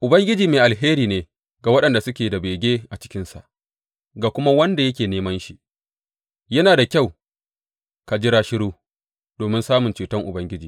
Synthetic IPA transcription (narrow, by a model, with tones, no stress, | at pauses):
ʔʊ˨bɐ˦ŋɡʲɪ˦d͡ʒiː˨meː˨ʔa˨lɦeː˦ɾiː˨neː˨ | ɡa˨wɐ˦ɗɐ˨nda˨sʊ˦kʲeː˨da˨beː˨ɡʲeː˦ʔa˨t͡ʃɪ̥˦kʲɪ˦nsa̰˨ʔ | ɡaː˨kʷʊ˦ma˦wɐ˦nda˨jɐ˦kʲeː˨neː˦mɐ˦nʃi˨ | jɐ˦naː˨da˨kʲa˦˨w | ka˨d͡ʒɪ˦ɾaː˦ʃɪ˦ɽuː˦ | doː˨mɪ˦nsaː˦mʊ˨nt͡ʃuː˨tɐ˦ŋʔʊ˨bɐ˦ŋɡʲɪ˦d͡ʒiː˨